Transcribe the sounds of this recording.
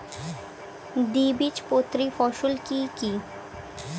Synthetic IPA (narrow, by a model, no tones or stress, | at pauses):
d̪iːbit͡ʃpoːt̪ɾifɔːʃʊlkikiː